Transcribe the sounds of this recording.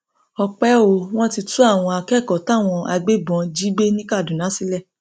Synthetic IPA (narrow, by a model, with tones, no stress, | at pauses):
ɔ˧k͡pɛ˦o˨w̃ɔ̃˦ti˧tũ˦a˦˨w̃ɔ̃˧a˧kɛ˦˨kɔ˨ta˦˨w̃ɔ̃˧a˧ɡ͡be˦bɔ̃˧d͡ʒi˦ɡ͡be˦nĩ˦ka˦˨dũ˨nã˨˦si˦lɛ˦˨